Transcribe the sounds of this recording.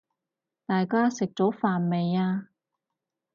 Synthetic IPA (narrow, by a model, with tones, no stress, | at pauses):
t̪aː˨jkaː˥sɪ˨k̚t͡sɔː˨˥faː˨nme˨˧jaː˧